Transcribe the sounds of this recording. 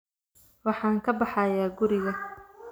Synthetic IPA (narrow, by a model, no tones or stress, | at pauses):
wɑħɑːŋkʰɐbɑħɑjaːɡʊɾɪɣɐ